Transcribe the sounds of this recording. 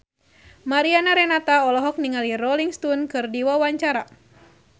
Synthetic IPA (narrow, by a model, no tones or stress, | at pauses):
maɾianaɾɛnat̪aɔlɔɦɔk̚niŋalirɔliŋst̪unkɨrdiwawaɲt͡ʃaɾa